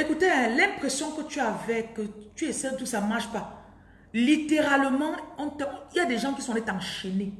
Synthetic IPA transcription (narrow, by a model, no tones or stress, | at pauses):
ekut̪eɛ̃lɛ̃pχesjɔ̃kət̪yavɛkət̪yɛsɛd̪uksamaʁʃpa | lit̪eʁaləmɑ̃ɔ̃t̪ɛiljad̪ɛʒɑ̃kisɔ̃let̪ɑ̃ʃene